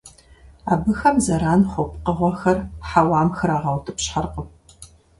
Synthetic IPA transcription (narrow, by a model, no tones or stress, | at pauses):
aːbɨxɐmzɐɾaːnχʷʊpʼqəʁʷɔxɐrħawɑːmxɨɾaːʁɐwtʰɨpɕħarqəp